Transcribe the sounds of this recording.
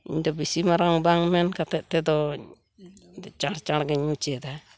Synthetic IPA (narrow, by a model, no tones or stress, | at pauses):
iɲdabisimaɾaŋbaŋmenkatetedo | dat͡ʃaɾt͡ʃaɾɡeɲmut͡ʃeda